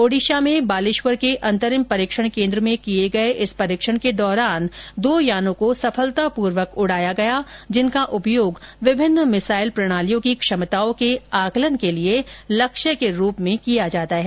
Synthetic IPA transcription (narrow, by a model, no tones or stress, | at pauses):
oːɽiːʃamẽbaːlɪʃʋəɾkeʔɐ̃nt̪əɾɪmpɐɾiːkʃəɽ̃kẽːnd̪ɾəmẽkijeɡɐeʔɪspɐɾiːkʃəɽ̃ked̪ɔːɾaːnd̪oːjaːnõkosɐfʰəlt̪apuːɾʋəkʊɽ̤aːjaɡɐjad͡ʒɪnkaʔʊpjoːɡʋɪbʱɪnːmɪsaːɪlpɾɐɽ̃aːlijõkikʃɐmt̪aːõkeaːklənkelielɐkʃəkeɾuːpmẽkijad͡ʒaːt̪aɦɛː